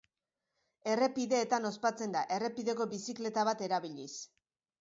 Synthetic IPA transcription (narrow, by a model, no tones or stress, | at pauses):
e̞re̞piðe̞ːt̪ano̞spat͡se̞nd̪aʔe̞re̞piðe̞ko̞bisikle̞t̪aβ̞at̪e̞ɾaβiʎis